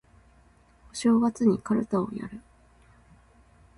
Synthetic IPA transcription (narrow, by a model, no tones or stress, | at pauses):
oɕo̞ːɡat͡sɨɲ̟ikaɾɯ̟t̪ao̰ja̰ɾɯ̟